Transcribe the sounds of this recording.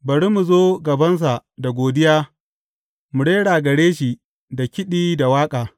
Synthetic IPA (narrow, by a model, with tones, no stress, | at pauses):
bɐ˨ɽi˦mu˨zoː˦ɡɐ˨bɐ˦ns̬a˨da˨ɡʷoː˨dɪ˦jaː˦ | mu˨ɽeː˦ɽaː˨ɡɐ˨ɽeː˦ʃi˨ | da˨kʲɪ˦ɗiː˦da˨waː˦kʼaː˨